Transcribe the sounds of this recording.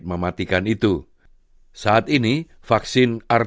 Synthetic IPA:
t̪̚məmat̪ikanit̪u | saʔat̪ini | faksɪnar

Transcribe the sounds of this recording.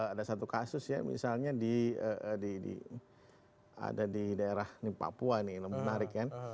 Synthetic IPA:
adasat̪ukasʊsja̰mḭsalɲadiədidḭ | a̰dadidaeɾahnɪpa̰puanɪləmənaɾɪkːan

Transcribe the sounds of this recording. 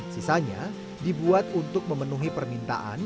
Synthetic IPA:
sisaɲa̰ | dibuat̪unt̪ʊk̚məmənuɦipərmint̪a̰ʔa̰n

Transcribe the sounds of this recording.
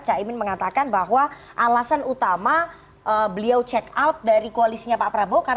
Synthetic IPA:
t͡ʃaimɪnməŋat̪akanbaɦwa | ʔalasanut̪ama | ʔəbəliawt͡ʃɛkawt̪̚daɾikoalisiɲapapɾabokar

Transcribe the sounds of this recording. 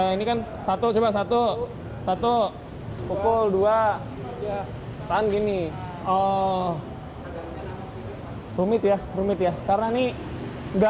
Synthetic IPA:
inikansat̪ot͡ʃebaʔs̬at̪o | sat̪o | pokʊldua | t̪anɡini | ɔ | rumɪt̪jarumɪt̪jakaɾnani | ŋɡa

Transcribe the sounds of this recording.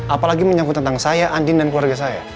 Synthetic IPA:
apalaɡiməɲakut̪ːənt̪aŋsajaʔandɪndankluarɡasaja̰

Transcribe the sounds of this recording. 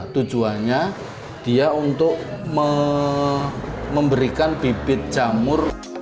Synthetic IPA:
t̪u̥d͡ʒuaɲa | d̪̥iaunt̪ʊʔmə | məmbəɾikanbib̥ɪt̪̚d̥ʒ̥amʊr

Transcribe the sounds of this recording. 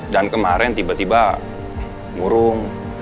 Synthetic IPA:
dankəmaɾɛnt̪ibat̪iba | muɾʊŋ

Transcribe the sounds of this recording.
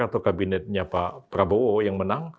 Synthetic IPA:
at̪owkabinɛt̪̚ɲapapəɾabowojaŋmənaŋ

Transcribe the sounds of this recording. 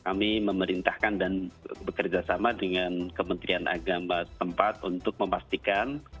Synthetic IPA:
kamiməməɾint̪ahkandanbəkərd͡ʒasamadəŋankəmənt̪ɾianʔa̰ɡamat̪əmpat̪unt̪ʊk̚məmast̪ikan

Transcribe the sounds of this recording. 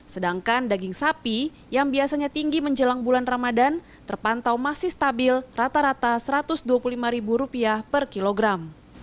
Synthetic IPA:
sədaŋkandaɡiŋsapi | jaŋbiasaɲat̪iŋɡiməɲd͡ʒəlaŋbulanramadan | t̪ərpant̪awmasihst̪abɪlrat̪aɾat̪asəɾat̪ʊsduapululimaɾibuɾupiapərkiloɡɾam

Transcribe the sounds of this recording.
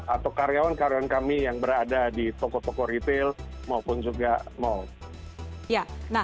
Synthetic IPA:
at̪awkaɾejawankaɾejawankamijaŋbəɾadadit̪ɔkɔt̪ɔkɔɾit̪ɪlmaupʊnd͡ʒuɡamau | janah

